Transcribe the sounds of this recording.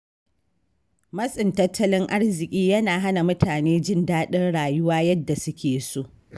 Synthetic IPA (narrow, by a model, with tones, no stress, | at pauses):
mɐ˦sʼɪ˨ntɐ˦tʰːɐ˦lɪ˦ŋʔa˦ɽzɪ˨kʲʼiː˦jɐ˦naː˨ɦa˦na˨mʊ˦tʰaː˨neː˦d͡ʒɪ˦˨ndaː˦ɗɪ˦rɽaː˨jʊ˦waː˦jɐ˦dːa˨sʊ˦kʲeː˨soː˦ʔ